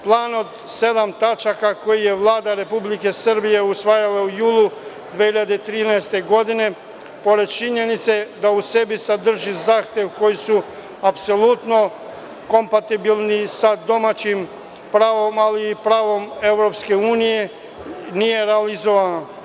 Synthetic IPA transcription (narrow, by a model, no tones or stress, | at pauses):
plˠaːno̞d̪ | se̞d̪amt̪at͡ʃakako̞jije̞ʋlˠaːd̪aɾe̞publike̞sr̩bije̞usʋaːjalaujuːlˠu | d̪ʋehiʎad̪et̪ɾiːnaest̪e̞ɡo̞d̪ine̞ | po̞ɾe̞d̪̚t͡ʃiɲe̞nit̪se̞d̪ause̞bisad̪r̩ʒizaːxt̪e̞ʋko̞jisu | apso̞lˠut̪no̞ | ko̞mpat̪ibilˠnisad̪o̞mat͡ɕim | pɾaːʋo̞maliːpɾaːʋo̞me̞ʋɾo̞pske̞uːnije̞ | nije̞ɾealizoʋano